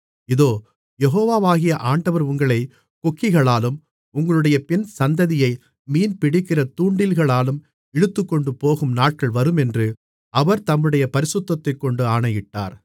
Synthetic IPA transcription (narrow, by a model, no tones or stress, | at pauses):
ɪðoː | jɛɣoːʋaːʋaːɣɪjɐʔaːɳɖɐʋɐɾʊŋɡɐɭɐɪ | kɔkːɪɣɐɭaːlɯm | ʊŋɡɐɭɯɽɐjɐpɪnsɐnd̪ɐðɪjɐɪ | miːnpɪɽɪkːɪrɐt̪uːɳɖɪlɣɐɭaːlɯm | ɛɽɯt̪ːɯkːɔɳɖɯpoːɣɯmnaːʈ̚kɐɭʋɐɾɯmɛndrɯ | ʔɐʋɐɾt̪ɐmːɯɽɐjɐpɐɾɪsʊt̪ːɐt̪ːɐɪkːɔɳɖɯaːɳɐjɪʈːa̰ːɾ